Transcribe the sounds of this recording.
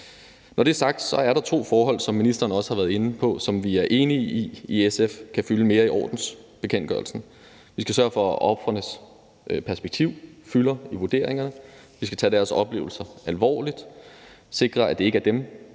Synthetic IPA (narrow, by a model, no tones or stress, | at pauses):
nɒɾ̥e̝æɐsɑ̈ɡ̥̚d̥sɒ̽æɐɾ̥ɑ̈t͡sʰo̝̰ːfɒːɦɒ̽l̰sɒ̽mːinisd̥ɐːnəɒ̽səhɑʋæːɐðˠe̝n̩pʰɒ̽sɒ̽mʋiæɐʔe̝ːniːiesefkʰæfyləme̝ːɐiʔɒ̰ːd̥n̩s | b̥e̝kʰen̰ɡ̥ɶ̰ɐlsn̩ | ʋisɡ̥æsɶɐfɒ̽ʔɒb̥fʁɐnəs | pʰæɐsb̥eɡ̥t͡sʰiʊ̰fylɐiʋuɐd̥e̝ɐ̰eŋɐnəʋisɡ̥æ̥t͡sʰɛ̰ːd̥æɐsɒ̽b̥le̝ːʊl̩sɐælʋɒ̰ːlid̥ | se̝ɡ̥ʁɐæd̥e̝e̝ɡ̥əæɐd̥em